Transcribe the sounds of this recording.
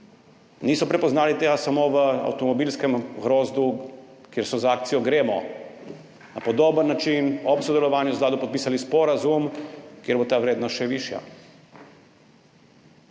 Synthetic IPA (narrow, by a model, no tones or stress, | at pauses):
niːsɔpɾɛpɔznaːlit̪eːɡasamoːʋəa̰wt̪ɔmɔbilskɛmɣɾoːzd̪u | kjeːɾsɔzaaːk̚t̪sijɔɡɾeːmɔ̰ | na̰pɔd̪oːbənːat͡ʃinɔpsɔd̪ɛlɔʋaːnjuzɡlaːd̪upɔt̪̚piːsalispɔɾazumkjeːɾbot̪aːʋɾeːd̪nɔst̪ʃɛʋiʃja̰